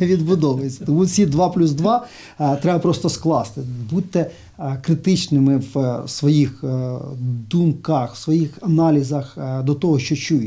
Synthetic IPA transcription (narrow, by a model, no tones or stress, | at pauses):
ʋʲid̪bʊd̪ɔʋɐjet͡sʲːɐ̥t̪ɔmut͡sʲid̪ʋɑplʲuzd̪ʋɑ | t̪ɾɛbɐpɾɔst̪ɔsklˠɑst̪ɪbut̪ɛ | kɾɪt̪ɪt͡ʃnɪmɪʋsʋɔjix | d̪umkɐxwsʋɔjixɐnɑlʲizɐxd̪ɔt̪ɔɦɔʃt͡ʃɔt͡ʃuj